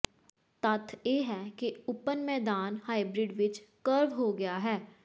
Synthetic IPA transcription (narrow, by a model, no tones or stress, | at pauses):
t̪ət̪ʰjeːɦɛːkeʊpənmɛːd̪aːnhaːibɾɪɖʋɪt͡ʃkəɾʋɦoːɡɪjaːɦɛː